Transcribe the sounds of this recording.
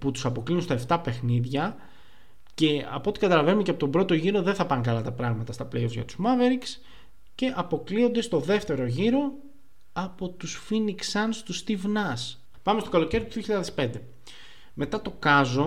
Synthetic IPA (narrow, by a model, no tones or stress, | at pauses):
put̪u̥sɐpo̞kliunst̪ɐeft̪ɐpe̞xniðʝɐ | ce̞ɐ̰po̞t̪i̥kɐt̪ɐlɐve̞numeceɐpo̞t̪o̞bɾo̞t̪o̞ʝiɾo̞ðeθɐpɐŋkɐlɐt̪ɐpɾɐɣmɐt̪ɐst̪ɐpleozʝɐ̰t̪u̥zmɐve̞ɾiks | ce̞ʔɐpo̞klio̞nd̪e̞st̪o̞ðe̞ft̪e̞ɾo̞ʝiɾo̞ | ɐpo̞t̪usfiniksɐnst̪ust̪ivnɐs | pɐmest̪o̞kɐlo̞ce̞ɾit̪uðioçiʎɐðe̞spe̞nd̪e̞ | me̞t̪ɐt̪o̞kɐzo̞